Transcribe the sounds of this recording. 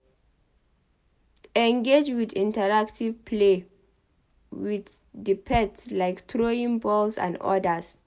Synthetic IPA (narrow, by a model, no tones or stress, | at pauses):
ɛ̃ŋɡed͡ʒwidĩntəɹak̚tʰivpʰle | witdipʰɛtlaɪktʰɹoĩŋbɔlsã̰ndɔ̰dəs